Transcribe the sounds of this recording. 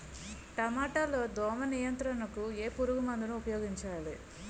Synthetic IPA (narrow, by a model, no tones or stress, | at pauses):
ʈɐmaːʈaːlo̞ːd̪ɔːmɐnijɐnt̪ɾɐnɐkue̞ːpuɾuɡumɐnd̪inuːpɐjo̞ːɡiɲt͡ʃaːli